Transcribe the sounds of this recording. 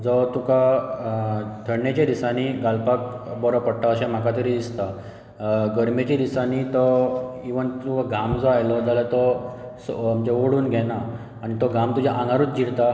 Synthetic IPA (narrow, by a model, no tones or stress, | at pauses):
d͡zɔt̪uka | t̪ʰəɽnjet͡ɕeɾisaniɡalpak | bɔɾɔpəɽʈ̪aəɕam̤akat̪əɾid̪ist̪a | ɡəɾmet͡ɕiɾisanit̪ɔiʋənukaɡamd͡zɔajlɔd͡zalat̪ɔsmt͡ɕeʋoɽuːnɡʱɛnaː | nit̪ɔɡamt̪ud͡ʑaʔãŋɡaɾuːt͡sd͡ʑiɽt̪a